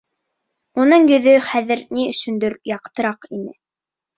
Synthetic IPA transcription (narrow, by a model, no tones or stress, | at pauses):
unɤɴjɵ̆ðɵχæðɘ̆ɾniɵ̆ʃɵ̆nd̪ɵɾjɑqt̪ɤ̆ɾɑqinɘ